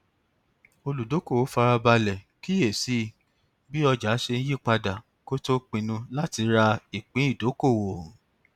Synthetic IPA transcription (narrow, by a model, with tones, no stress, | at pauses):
o˧lu˨do˨˦ko˦˨wo˨˦fa˧ɾa˧ba˧lɛ˨ | ki˦e˨si˨˦˨ | bi˦ɔ˧d͡ʒa˨˦ʃe˧ñ̩˦ji˦˨k͡pa˧da˨ | ko˦to˦k͡pĩ˧nũ˧la˦ti˧ɾa˧i˨k͡pĩ˨˦i˦˨do˨˦ko˦˨wo˨